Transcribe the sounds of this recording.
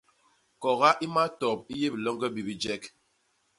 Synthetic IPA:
kɔ˨ɣa˦ʔi˦ma˦tɔ˨p̚i˦je˦bi˨lɔ˦ŋɡɛ˦bi˨bi˦d͡ʒɛ˦k

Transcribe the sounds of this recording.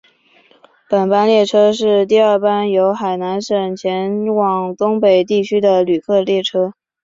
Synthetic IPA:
pə˨˩npa˥nljɛ˥˩ʈ͡ʂʰɤ˥ʂɻ̩˥˩˧t̪i˥˧ə˞˥˩pa˥njo˧˥ʊxa˨˩ɪna˧˥nʂə˨˩ŋt͡ɕʰjɛ˧˥nwɑ˨˩ŋt̪ʊ˥ŋpe˨˩ɪt̪i˥˩t͡ɕʰy˥d̪ə˨ly˨˩kʰɤ˥˧ljɛ˥˩ʈ͡ʂʰɤ˥

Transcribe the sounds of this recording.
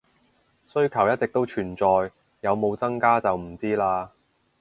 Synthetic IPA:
sɵ˥ɥkʰɐ˨˩wjɐ˥t̚t͡sɪ˨k̚t̪o˥wt͡ʃʰyː˨˩nt͡sɔː˨jː | ɐ˨˧wmo˨˧wt͡sɐ˥ŋkaː˥t͡sɐ˨wm̩˨˩t͡siː˥laː˧

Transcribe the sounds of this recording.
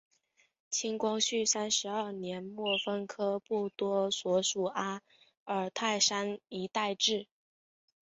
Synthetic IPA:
t͡ɕʰi˥ŋkwɑ˥ŋɕy˥˩sa˥nʂɻ̩˧˥ə˞˥˩njɛ˧˥nmwɔ˥˩fə˥ŋkʰɤ˥pu˥˩t̪wɔ˥swɔ˧˥ʂu˨˩a˥ | ə˞˨˩t̪ʰa˥˩ɪʂa˥ni˧˥t̪a˥˧ɪʈ͡ʂɻ̩˥˩

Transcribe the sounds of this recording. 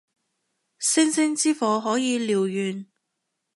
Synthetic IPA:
sɪ˥ŋsɪ˥ŋt͡siː˥fɔː˨˧ɦɔː˨˥jiː˨˧liː˨wjyː˨n

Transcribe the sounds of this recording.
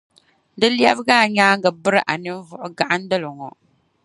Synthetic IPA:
dɨ˦lɛ˦bɨ˦ɡaː˦˨ɲaː˦ŋɡɨ˨bɨ˦ɾɨ˦ʔa˨nɨ˦n˦vʊ˦ʔʊ˦ɡa˨ʔa˦n̩˦dɨ˦lɨ˨ŋɔ˨

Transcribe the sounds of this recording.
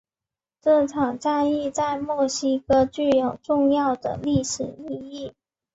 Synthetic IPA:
ʈ͡ʂɤ˥˩ʈ͡ʂʰɑ˨˩ŋʈ͡ʂa˥˧ni˥˧t͡sa˥˧ɪmwɔ˥˩ɕi˥˧˥kə˧t͡ɕy˥˩jo˨˩ʊʈ͡ʂʊ˥˧ŋjɑ˥˩ʊd̪ə̰˩li˥˩ʂɻ̩˨˩i˥˧i˥˩

